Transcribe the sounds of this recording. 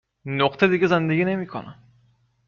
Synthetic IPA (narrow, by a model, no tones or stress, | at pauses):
noqt̪ʰad̪iɡʲizand̪eɡʲinemikʰo̰na̰